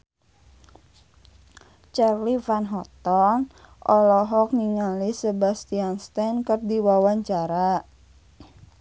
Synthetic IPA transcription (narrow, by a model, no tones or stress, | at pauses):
t͡ʃarlifanɦɔt̪ɔn | ʔɔlɔɦɔk̚ŋiŋalisəbast̪ianst̪ankərdiwawaɲt͡ʃaɾa